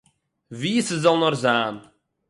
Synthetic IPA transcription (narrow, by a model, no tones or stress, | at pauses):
visəzɑlˠnɔrzaːn